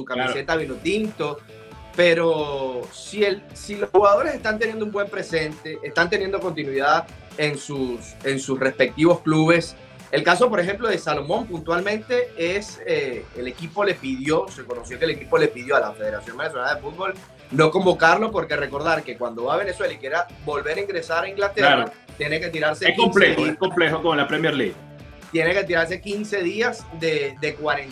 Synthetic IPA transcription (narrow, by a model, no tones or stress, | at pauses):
sukamise̞t̪aβelot̪int̪o̞ | pe̞ɾosiel | silo̞shuɣað̞o̞ɾe̞se̞st̪ant̪enje̞nd̪umbwe̞mpɾese̞nt̪e̞ʔest̪ant̪enje̞nd̪o̞ko̞nt̪̬inwiðað | ensus | e̞nsusre̞spe̞k̚t̪iβo̞skluβe̞s | e̞lkaso̞p̬o̞ɾexe̞mplo̞ðe̞salo̞mõ̞mpunt̪walmẽnt̪e̞eseːle̞kipo̞le̞piðjo̞se̞ko̞nosjo̞kelekipo̞le̞piðjo̞alafe̞ðeɾasjo̞ŋbenes̬o̞nalaðefud̪̚bo̞l | no̞ko̞mbo̞kaɾlo̞po̞ɾke̞re̞ko̞ɾðaɾke̞kwand̪o̞βaβ̞e̞ne̞swe̞laikje̞ɾa | bo̞lβe̞ɾaiŋɡɾesaɾaiŋɡlat̪erɾa | t̪jeneket̪iɾaɾseeskomplexoeskomplexokomolapɾemjeɾlḭɣ | t̪je̞neke̞t̪̬iɾaɾs̬ekinse̞ðiazðed̪e̞kwaɾen